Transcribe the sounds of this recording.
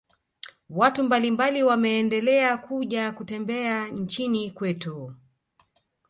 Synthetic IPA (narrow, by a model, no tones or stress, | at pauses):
watumbalimbaliwamɛːndɛlɛakuʄakutɛmbɛan̩t͡ʃinikwɛtu